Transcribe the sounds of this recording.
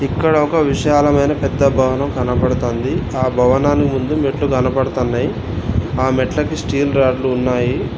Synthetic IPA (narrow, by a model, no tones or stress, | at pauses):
ikːɐɽɐɔkɐʋiʂaːlɐmɐjnɐpɛd̪ːɐbʱɐʋɐnɐmɡɐnɐpɐɽut̪o̞ːnd̪iaːbʱɐʋɐnaːnikimund̪umeʈluɡɐnɐpɐɽɐt̪onːɐji | aːmeʈlɐkisʈiːlɾaːɖluːnːaːji